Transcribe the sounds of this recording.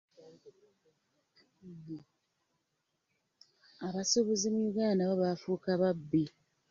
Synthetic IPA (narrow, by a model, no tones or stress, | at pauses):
aβaso̞βozimujuɡaːndaβoβafuːkaβabːi